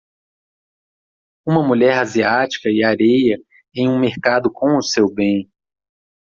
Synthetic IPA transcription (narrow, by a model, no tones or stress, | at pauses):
ũmɐmuʎɛɾaziat͡ʃi̥kɐɪaɾejɐ | ẽj̃ũmeɾkad̪ʊkõw̃ʊsewbẽj̃